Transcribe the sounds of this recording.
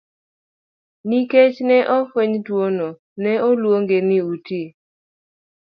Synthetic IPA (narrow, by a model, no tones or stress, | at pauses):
niket͡ʃnɛʔɔfweɲtwono | nɛɔlwoŋɡenɪuti